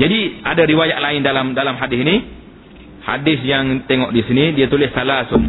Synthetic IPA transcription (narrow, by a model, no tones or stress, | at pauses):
d͡ʒadiadaɾiwajaʔlaɪndalamdalamɦadɪsini | ha̰dɪsjaŋt̪eŋɔʔdisinidiat̪ulɪssalasʊm